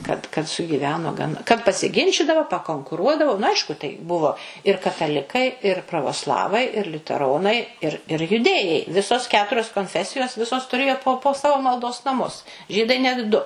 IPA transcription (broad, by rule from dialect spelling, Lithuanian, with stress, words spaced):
kɐt kɐt sʊɡʲiːˈʋʲæːnoː ɡɐn kɐt pɐsʲɪˈɡʲɪnʲt͡ʃʲiːdɐʋoː pɐkoːŋkʊˈruɔdɐʋoː nʊ ˈɐɪʃkʊ tɐɪ ˈbʊʋoː ɪr kɐtɐˈlʲɪkɐɪ ɪr prɐʋoːˈslˠɑːʋɐɪ ɪr lʲʊtʲɛˈroːnɐɪ ɪr ɪr jʊˈdʲeːjɛɪ ˈʋʲɪsoːs ˈkʲæːtʊrʲoːs koːnʲˈfʲæːsʲɪjoːs ˈʋʲɪsoːs tʊˈrʲeːjoː poː poː ˈsɑːʋoː mɐlˠˈdoːs nɐˈmʊs ˈʒʲiːdɐɪ ˈnʲɛt ˈdʊ